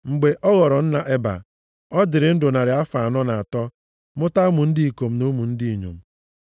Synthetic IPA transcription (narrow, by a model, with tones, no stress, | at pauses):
ŋ͡m̩˨ɡ͡be˨ʔɔ˦ɣɔ˨ɾɔ˨n̩˦na˨ʔe˦ba̰˨ | ɔ˦dɪ˨ɾɪ˨n̩˦dʊ˨na˨ɾɪ˨a˦fa˨a˨nɔ˦na˨a˨tɔ˦ | mʊ˦ta˦mʊ˨n̩˦dɪ˦i˨ko˨m̩˦no˦mu˨n̩˦di˦i˨ɲo̰˨m̩˦˨